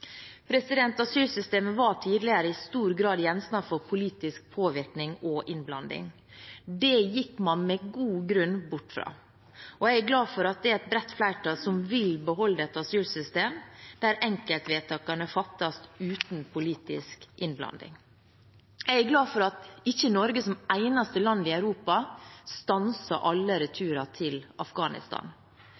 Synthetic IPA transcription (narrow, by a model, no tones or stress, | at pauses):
pʰɾɛsɪd̪ɛnt̪ɑsyːlsʏst̪eːməʋɑʈʰiːd̪lɪəɾəɪst̪uːɾɡɾɑːd̪jɛnsnɑfɔɾpʰʊliːt̪ɪsk̚pʰoːʋɪɾknɪŋɔʔɪnblɑ̰nd̪ɪ̰ŋ | d̪ɛjɪkːmɑnmɛɡuːɡɾʉnbʊʈːfɾɑ̰ː | ɔɛɡæɡlɑːfɔɾɑt̪̚d̪ɛɛt̪̚bɾɛt̪ːflæɪʈʰɑːsɔmʋɪlbəɦɔlːd̪ɛt̪ɑsyːlsʏst̪eːmd̪æɾɛŋkəlt̪ʋeːt̪ʰɑːkɑnəfɑt̪ːɑst̪ʉːt̪npʰʊliːt̪ɪ̰skʔɪnblɑ̰nd̪ɪ̰ŋ | jææɡlɑːd̪fɔɾɑt̪ɪçːənɔɾɡəsɔmæɪnɑst̪əlɑnd̪ɪæʉɾuːpɑst̪ɑnsɑʔɑlːəɾɛt̪ʰʉːɾɑt̪ʰɪlɑfɡɑːnɪ̰st̪ɑ̰ːn